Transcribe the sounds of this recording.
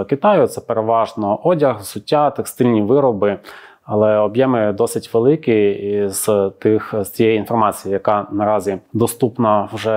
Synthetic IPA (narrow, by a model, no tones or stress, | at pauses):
kɪt̪ɑjʊt̪sɛpeɾeʋɑʒnɔʔɔdʲɐxsʊtʲːat̪ekst̪ɪlʲnʲiʋɪɾɔbɪ | ɐlˠɛɔbjɛmɪd̪ɔsɪtʲʋelˠɪkiiz̥t̪ɪxz̥t͡sʲijɛjiinfɔrmɑt͡sʲijɪjɐkɑnɐɾɑzʲid̪ɔst̪upnɐwʒɛ